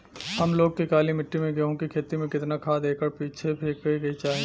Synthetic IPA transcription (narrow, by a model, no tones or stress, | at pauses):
ɦɐmloːɡ̚kikaːlimɪʈːimẽɡeɦõkikʰeːt̪imẽkɪt̪nakʰaːd̪eːkəɾpiːt͡ʃʰepʰeːkəɡɐit͡ʃaːɦĩ